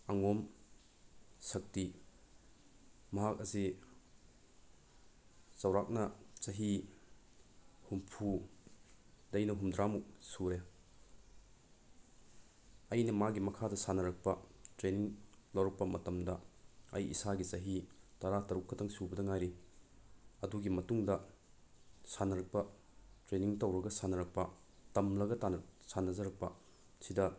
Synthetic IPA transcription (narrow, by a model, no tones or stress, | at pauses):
ɐŋom | sɐk̚ti | mɐɦak̚ɐsi | zɐwɾak̚nɐsɐɦi | humpʰu | dɐjnɐɦumdɾamusuɾe | ɐjnɐmaɡimɐkʰadɐsanɐɾɐk̚pɐtɾeniŋlɐwɾɐk̚pɐmɐtɐmdɐɐjḭsaɡit͡ʃɐɦitɐɾatɐɾukʰːɐtʰɐŋsubɐdɐŋajɾi | ɐduɡimɐtuŋdɐ | sanɐɾɐk̚pɐ | tɾeniŋtɐwɾɐɡɐsanɐɾɐk̚pɐ | tɐmlɐɡɐtansanːɐzɐɾɐk̚pɐ | sidɐ